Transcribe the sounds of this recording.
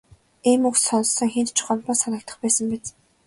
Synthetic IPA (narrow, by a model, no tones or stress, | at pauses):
emuksɔnsːɞ̆ŋxent̪t͡ɕʰχɔnt̪ɔːsanə̆kt̪ə̆χpæːsə̆mpæt͡s